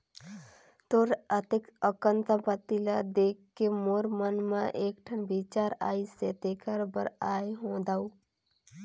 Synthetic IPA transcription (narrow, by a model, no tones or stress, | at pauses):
t̪oːɾət̪ɪkəkənt̪apət̪ilad̪eːkkːemoːɾmənmãʔeːkʈʰənbiːt͡ʃaːɾaːiset̪eːkʰəɾbə̰ɾaːeɦõːd̪aːuː